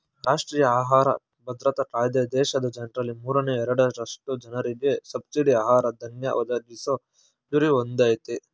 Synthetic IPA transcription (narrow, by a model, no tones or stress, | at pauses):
ɾaːʂʈɾiːjɐaːɦaːɾɐ̰ | bʱɐd̪ɾɐt̪ɐkaːjd̪ed̪ɛːʃɐd̪ɐd͡ʒɐnɾɐlimuːɾɐneɛɾɐɽɐɾɐsʈud͡ʒɐnɐɾid̪jesɐbsiɖiaːɦaːɾɐd̪ɐŋjɐ̰ʔɔd̪ɐɡiso | d͡ʒ̪uɾiond̪aːjt̪e